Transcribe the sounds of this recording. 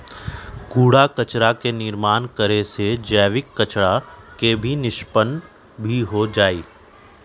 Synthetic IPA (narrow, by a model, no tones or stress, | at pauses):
kuːɽakət͡ʃɾakenɪɾmaːnkəɾesed͡ʒɛːʋɪkːət͡ʃɽakebʱinɪʃpən | bʱiɦod͡ʒaːiː